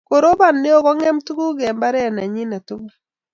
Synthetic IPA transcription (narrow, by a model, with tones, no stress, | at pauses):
ko˨ɾo˦ba˦˨nːe˦o˦kɔ˦ŋɛ˦mtu˦ku˦ɡɛ˨mba˦ɾɛ˦˨na˨ɲi˦na˨tu˦ŋa˨